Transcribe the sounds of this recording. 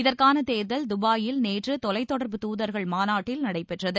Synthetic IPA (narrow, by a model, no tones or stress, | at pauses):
ɪðɐrkaːnɐt̪eːɾðɐld̪ʊbaːjɪlneːʈrɯt̪ɔlɐɪt̪ːɔɽɐɾbɯt̪uːðɐɾɣɐɭmaːnaːʈːɪlnɐɽɐɪpɛʈrɐðɯ